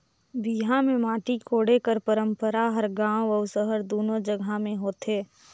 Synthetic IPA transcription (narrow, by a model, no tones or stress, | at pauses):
biːɦãmẽmaːʈikʰoːɽekəɾpəɾə̃mpəɾaɦəɾɡãːwɔːsəɦəɾd̪oːnod͡ʒəɡʱamẽɦoːt̪eː